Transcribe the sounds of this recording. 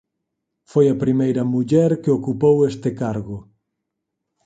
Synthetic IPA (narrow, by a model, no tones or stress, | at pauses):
fojɐpɾimejɾɐmuʎɛɾkeokupowest̪ɪkaɾɣʊ